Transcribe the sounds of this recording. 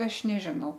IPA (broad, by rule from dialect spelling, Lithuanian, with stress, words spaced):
ˈɐʃ nʲɛˈʒʲɪnɐʊ